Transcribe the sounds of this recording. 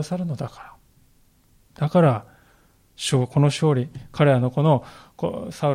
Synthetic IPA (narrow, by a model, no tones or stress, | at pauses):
asaɾɯ̟no̞d̪akḁɾa | d̪̥akaɾa | ɕoːko̞no̞ɕo̞ːɾʲikʰaɾe̞ɾano̞ko̞no̞ko̰saɯ